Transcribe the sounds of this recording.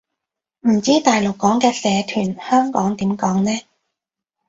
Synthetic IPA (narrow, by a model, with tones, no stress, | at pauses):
m̩˨˩t͡siː˥t̪aː˨jlo˨kːɔː˨˥ŋkɛː˧sɛː˨˧t̪ʰyː˨˩nhœː˥ŋkɔː˨˥ŋt̪iː˨˥mkɔː˨˥ŋnɛː˥